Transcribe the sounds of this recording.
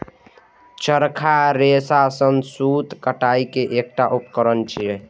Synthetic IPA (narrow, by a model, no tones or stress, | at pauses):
t͡ʃəɾkʰaɾesasənsut̪kəʈaikeʔek̚ʈaʔupkəɾənt͡ʃʰiɛ